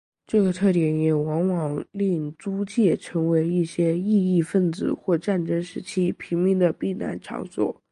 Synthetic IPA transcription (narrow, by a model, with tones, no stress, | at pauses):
ʈ͡ʂɤ˥˩ɡə˩t̪ʰɤ˥˩t̪jɛ˧˥njɛ˨˩wɑ˧˥ŋwɑ˨˩ŋli˥˩ŋt͡su˥t͡ɕjɛ˥˩ʈ͡ʂʰɤ˧˥ŋwe˧˥ɪi˥˩ɕjɛ˥i˥˧i˥˧fə˥˩nt͡sɹ̩˨˩xwɔ˥˧ʈ͡ʂa˥˩nʈ͡ʂɤ˥ŋʂɻ̩˧˥t͡ɕʰi˥˩pʰi˧˥ŋmi˧˥ŋd̪ə˨pi˥˩na̰˧˥nʈ͡ʂʰɑ̰˧˥ŋswɔ̰˨˩˦